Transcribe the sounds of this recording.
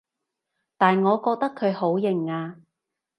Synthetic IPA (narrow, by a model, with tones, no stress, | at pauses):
t̪aː˨nŋɔː˨˧kɔː˧k̚t̪ɐ˥kʰɵ˨˧ɥho˨˥wjɪ˨˩ŋaː˧